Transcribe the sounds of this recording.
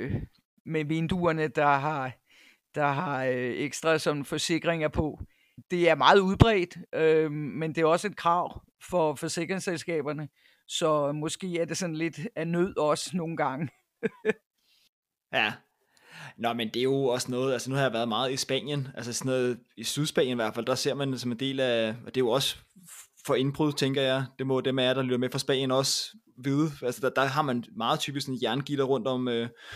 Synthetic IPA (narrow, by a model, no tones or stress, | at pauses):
meʋe̝nd̥uɐnəd̥ɑ̈ɦɑ̈ | d̥ɑ̈ɦɑ̈eɡ̥sd̥ʁɑ̈sɒ̽mfɒ̽se̝ɡ̥ʁeŋɐpʰɒ̽ | d̥e̝æɐmɑ̈ːð̞̩ˠuð̞ˠb̥ʁɛːd̥ʔømend̥e̝æɐɒ̽səe̝d̥̚kʰʁɑ̈ʊ̰ | fɒ̽fɒ̽se̝ɡ̥ʁeŋselsɡ̥ɛ̰ːb̥ɐnə | sɒ̽mɒ̽sɡ̥e̝̰ːæɐd̥e̝sɒ̽n̩le̝d̥ænøð̞̰ˠɒ̽sno̝ːn̩ɡ̥ɑ̈ŋə | jæ | nɒmend̥e̝æjo̝ɒ̽snɔ̽ːð̩ˠælsənuhɑ̈jɑ̈ʋæɐð̞̩ˠmɑ̈ːð̩ˠisb̥æ̰n̰jənælsəsnɔ̽ːð̩ˠisyðˠsb̥ɛ̰ːn̰jəniʋæɐ̰d̥fæl̰d̥ɑ̈se̝ɐ̰mænsɒme̝nd̥e̝̰ːlæɒ̽d̥e̝jo̝ɒ̽s | fɒ̽e̝nb̥ʁyð̞̰ˠt͡sʰeŋɡ̥ɐjɑ̈ɪd̥e̝mɒ̽d̥emeɐd̥ɑlyd̥ɐmefʁɑ̈sb̥ɛ̰njənɒ̽s | ʋiðˠælsədɑ̈d̥ɑ̈ɦɑ̈mænmɑ̈ːð̩ˠt͡sʰyːb̥isksɔ̽n̩jæɐnɡ̥id̥ɐʁɔ̽n̰d̥ɒ̽m̰øː